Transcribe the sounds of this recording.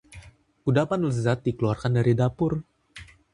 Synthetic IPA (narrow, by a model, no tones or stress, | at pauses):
ʔudapanləzat̪̚dikəluwarkandaɾidapʊr